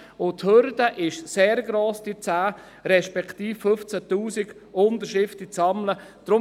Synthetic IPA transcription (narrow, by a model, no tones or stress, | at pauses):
ʊt̪høɾdəʔɪʃseːɾɡɾoːsd̥it͡saː | ɾɛʃpɛkt̪iːffɵft͡sæt̪uːsɪɡ̥ | ʊnd̪əɾʃɪft̪it͡sɑmləd̥ɾʊ